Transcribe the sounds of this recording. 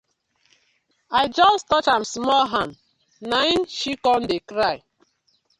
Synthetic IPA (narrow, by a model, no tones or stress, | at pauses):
aɪd͡ʒɔstɔt͡ʃãmsmɔlɦãnd | naɪ̃nʃikɔ̃ndekɾaɪ